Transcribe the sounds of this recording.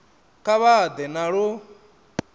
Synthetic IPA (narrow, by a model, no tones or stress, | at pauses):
kaβad̪ɛnaɺu